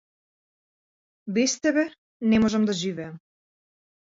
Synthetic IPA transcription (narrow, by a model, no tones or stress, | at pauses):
bɛst̪ɛbɛ | nɛmɔʒɛmd̪aʒivɛam